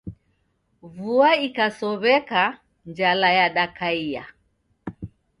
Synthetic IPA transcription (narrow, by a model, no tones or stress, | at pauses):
vuaikasɔβɛka | nd͡ʒalajaɗakaia